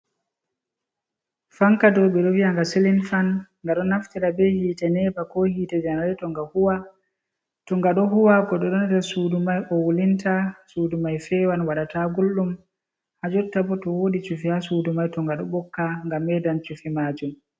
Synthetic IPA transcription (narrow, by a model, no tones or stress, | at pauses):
faŋkadɔɓɛɗɔwiaŋɡasilinfanŋɡaɗɔnːaftiɾabɛhiːtɛnɛːbakɔhiːtɛd͡ʒanaɾɛtɔŋɡahuwa | tɔŋɡaɗɔɦuwakɔɗɔɗɔnatɛsudumajʔɔwulintasuːdumajfɛːwanwaɗataɡulːum | had͡ʒɔtːabɔtɔwoːɗit͡ʃufihasuːdumajtɔŋɡaɗɔ̰ɓɔkːaŋɡamːɛdant͡ʃufimaːd͡ʒum